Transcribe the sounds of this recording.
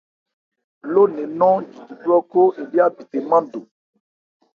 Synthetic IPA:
lo˦nẽ˨nɔ̃˦d͡ʒi˨i˨du˦ɔ˦ko˦e˨bi˦a˦bi˨te˨mã˦do˨

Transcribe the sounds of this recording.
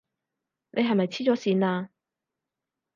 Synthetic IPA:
ne˨˧jɦɐ˨jmɐ˨jt͡sʰiː˥t͡sɔː˨˥siː˨˧naː˧

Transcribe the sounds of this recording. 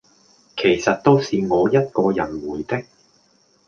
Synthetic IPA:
kʰe˨˩jsɐ˨t̚t̪o˥wsiː˨ŋɔː˨˧jɐ˥t̚kɔː˧jɐ˨˩nwuː˨˩jt̪ɪ˥k̚

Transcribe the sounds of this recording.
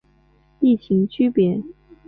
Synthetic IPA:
i˥˩t͡ɕʰi˧˥ŋt͡ɕʰy˥pjɛ˨˥˦

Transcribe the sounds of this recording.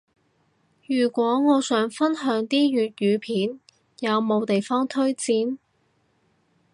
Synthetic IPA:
jyː˨˩kʷɔː˨˥ŋɔː˨˧sœː˨˥ŋfɐ˥nɦœː˨˥ŋt̪iː˥jyː˨t̚jyː˨˧pʰiː˨˥n | jɐ˨˧wmo˨˧wt̪e˨jfɔː˥ŋt̪ʰɵ˥ɥt͡siː˨˧n

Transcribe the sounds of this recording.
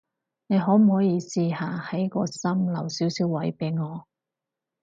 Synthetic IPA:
ne˨˧jɦɔː˨˥m̩˨˩hɔː˨˥jiː˧siː˧haː˨hɐ˨˥jkɔː˧sɐ˥mlɐ˨˩wsiː˨˥wsiː˨˥wːɐ˨˥jpe˨˥jŋɔː˨˧

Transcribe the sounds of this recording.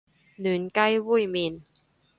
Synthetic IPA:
nɯ˩˦nka˦˥jwu˥˩jmi˧n

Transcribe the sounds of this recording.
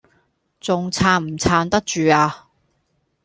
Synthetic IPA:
t͡sʊ˨ŋt͡sʰaː˨˧nm̩˨˩t͡sʰaː˧nt̪ɐ˥k̚t͡ʃyː˨aː˧

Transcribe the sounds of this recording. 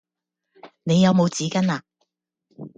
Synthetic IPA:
ne˨˧jɐ˨˧wmo˨˧wt͡siː˨˥kɐ˥naː˧

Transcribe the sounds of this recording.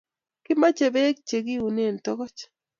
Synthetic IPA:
kɪ˦ma˦t͡ʃe˨be˦k̚t͡ʃe˨ɡi˦u˨ne˦˨ntɔ˦kɔ˦t͡ʃ

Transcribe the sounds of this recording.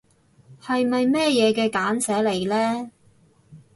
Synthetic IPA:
hɐ˨jmɐ˨jmɛː˥jɛː˨˧kɛː˧kaː˨˥nsɛː˨˥le˨˩jlɛː˥

